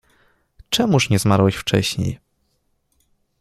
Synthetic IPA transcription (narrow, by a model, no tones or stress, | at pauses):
t͡ʂɛmuʂɲɛzmaɾwɛɕft͡ʂɛ̰ɕɲḛj